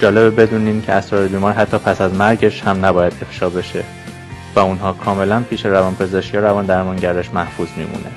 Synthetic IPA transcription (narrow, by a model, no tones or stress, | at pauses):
d͡ʒɒːle̞bebe̞d̪uːniːmcʰeæsɾɒɾebiːmɒːɾiɦæt̪ʰːɒːpʰæsæzmæɾɟe̞ʃhæmnæbɒːjæd̪e̞fʃɒːbe̞ʃe | væunɦɒːkʰɒːme̞lænpʰiːʃeɾævɒnpʰe̞zeʃcjɒːɾævɒːnd̪æɾmɒŋɟæɾd̪eʃmæhfuːzmḭːmʔṵːne